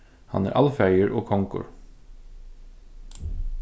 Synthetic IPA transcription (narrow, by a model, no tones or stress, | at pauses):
hɑ̰næ̰ːɾʔɑlfæɪəɹʔoːkʰɔŋkʊ̰ɹ